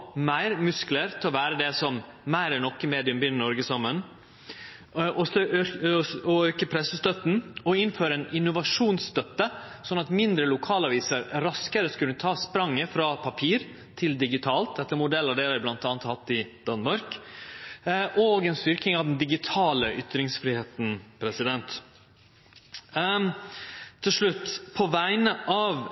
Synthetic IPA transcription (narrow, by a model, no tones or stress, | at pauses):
mæɪɾmʉskləɾt̪ʰɪlɔʋæːɾəd̪ɛsɔmmæɪɾɛnnɔkːəmeːd̪ɪʉmbʏnːənɔɾɡəsɑmːən | ʔɔøɔøːkəpʰɾɛsəst̪œt̪n̩ɔɪnføːɾəɛnɪnːʊʋɑʂuːnsst̪œt̪ːə | sɔnːɑt̪mɪnd̪ɾəlʊkʰɑːlɑʋiːsəɾɾɑskəɾəskʉnːət̪ʰɑːspɾɑŋːəfɾɑpʰɑpʰiːɾ | t̪ʰɪld̪ɪɡɪt̪ʰɑːlt̪̚d̪ɛt̪ːəɾmʊd̪ɛlɑd̪eːləɾblɑnt̪ɑːnət̪hɑt̪ːɪd̪̥ɑnmɑɾk | ʔɔːɡɛnst̪ʏɾk̪ɪŋɑʋd̪ɛnd̪ɪɡɪt̪ʰɑːləʔʏt̪ɾɪŋsfɾɪheːt̪n̩pʰɾɛsɪd̪ɛnt̪ | t̪ʰːɪlʂɭʉt̪ːpʰɔʋæɪnəʔɑːʋ